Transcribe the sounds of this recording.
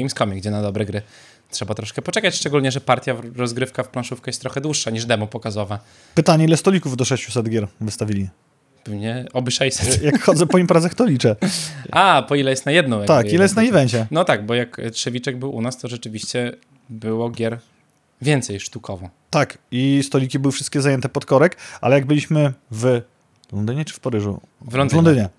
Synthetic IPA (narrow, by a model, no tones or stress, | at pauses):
imskɔmʲɛɡd͡ʑɛnad̪ɔbɾɛɡɾɘ | tʂɛbat̪ɾɔʂkɛpɔt͡ʂɛkat͡ɕʂt͡ʂɛɡulɲɛʐɛpaɾt̪ʲjaɾɔzɡɾɘfkafplãnʂufkɛjɛst̪ɾɔxɛd̪wuʂːaɲiʐd̪ɛmupɔkazɔva | pɘt̪aɲɛilɛst̪ɔlʲikuvd̪ɔʂɛɕt͡ɕusɛd̪ɡʲjɛɾvɘst̪avʲilʲi | bmɲɛɔbɘʂɛjsɛjakxɔd̪zɛpɔimpɾazaxt̪ɔlʲit͡ʂɛapɔilɛjɛst̪najɛd̪nɔ̃w̃jat̪akilɛjɛst̪naivɛɲt͡ɕɛnɔt̪aɡ̚bɔjaktʂɛvʲit͡ʂɛɡ̚bɘwʔṵnast̪ɔʐɛt͡ʂɘvʲiɕt͡ɕɛ | bɘwɔɡʲjɛɾ | vʲjɛnt̪sɛjʂt̪ukʰɔvɔ̃t̪akist̪ɔlʲikʲibɘwɘfʂɘst̪kʲɛzajɛnt̪ɛpɔt̪kɔɾɛkʔa̰lɛjaɡ̚bɘlʲiɕmɘv | lɔnd̪ɘɲɛt͡ʂɘ̥fpaɾɘʐṵ | vlɔnvlɔnd̪ɘɲɛ